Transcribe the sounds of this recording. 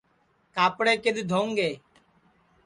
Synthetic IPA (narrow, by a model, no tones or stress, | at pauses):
kaːpɽeːkɪɗ̪d̪ʱõːŋɡeː